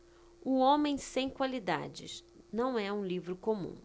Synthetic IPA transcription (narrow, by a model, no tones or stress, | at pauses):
ʊõmẽj̃sẽj̃kwalid̪a̰d͡ʒɪ̰s | nɐ̃w̃ɛũlivɾʊkomṵ̃